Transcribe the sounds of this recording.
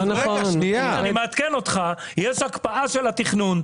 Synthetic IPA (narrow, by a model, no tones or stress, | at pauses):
neoaanimeat̪keno̞t̪χa | jeʃakpaʔaʃelat̪iχnun